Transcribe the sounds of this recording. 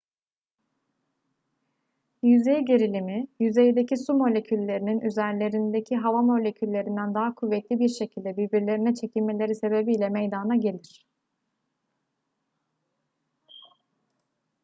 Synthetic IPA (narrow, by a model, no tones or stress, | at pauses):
jyze̞jɟe̞ɾilʲimijyze̞jd̪e̞cʰisumo̞lʲe̞cʰylʲːe̞ɾininʔyzæɾlʲe̞ɾind̪e̞cʰiɦavamo̞lʲe̞cʰylʲːe̞ɾind̪ænd̪aɦakʰuvːet̪lʲibiɾʃe̞cʰilʲd̪ɛbiɾbiɾlʲe̞ɾinɛt͡ʃʰe̞cʰilʲme̞lʲe̞ɾise̞be̞bijlʲɛmejd̪anaɟe̞lʲiɾ̝̥